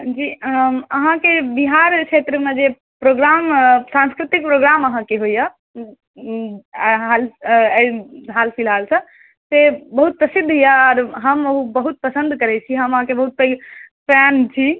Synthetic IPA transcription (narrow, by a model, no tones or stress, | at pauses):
d͡ʒiəɦãkebiɦaɾt͡ʃʰet̪ɾəmed͡ʒe | pɾoɡɾamsãnskɾit̪ik̚pɾoɡɾaməɦãkeɦojə | ɦal | ɦalpʰilalsə̃ | sebəɦut̪̚pɾəsid̪ʱjaɔːɾɦəməɦubəɦut̪̚pəsə̃nd̪ʱkəɾɛt͡ʃʰiɦəməɦãkebəɦut̪̚pəɡpɛnt͡ʃʰi